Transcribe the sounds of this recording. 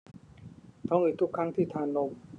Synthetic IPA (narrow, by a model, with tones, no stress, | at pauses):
t̪ʰɔː˧˥ŋʔiː˨˧˩t̪ʰu˦˥kʰːa˦˥˩ŋt̪ʰiː˥˩t̪ʰaː˧˩˨nlo˧m